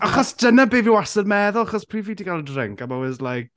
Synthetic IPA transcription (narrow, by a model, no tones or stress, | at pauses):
aχɔsd̥ənəbeːviwasədmɛðʊlˠaχɔspʰriːviːdiɡalˠədrɪ̰ŋkamawɪzlajk̚